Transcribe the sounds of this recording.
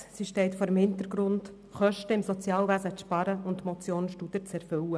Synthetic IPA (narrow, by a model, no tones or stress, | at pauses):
siʃtɛɪtfoːɾəmhɪnt̪əɾɡɾʊnd | χœʃtəɪmsɔt͡sjɑːlʋæzəʃpɑɾəʊntmɔt͡sjoːnʃtud̥̪ət͡sɛɾfʏwə